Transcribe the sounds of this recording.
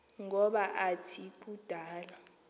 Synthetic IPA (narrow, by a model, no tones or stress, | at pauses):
ŋɔɓaʔatʰikʼud̥ʱaːla